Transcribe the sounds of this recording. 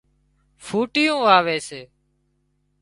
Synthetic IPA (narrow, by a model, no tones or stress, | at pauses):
fʰuːʈɪjũːʋaːʋeːseː